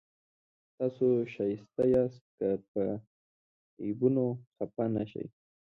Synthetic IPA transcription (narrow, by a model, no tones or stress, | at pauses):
t̪ɑsoʃajst̪ajast̪̚kapə | ibunoxapanaʃa̰j